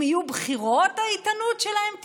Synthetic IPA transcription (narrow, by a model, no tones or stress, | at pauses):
ijubχiʁot̪hait̪anutʃelahemt̪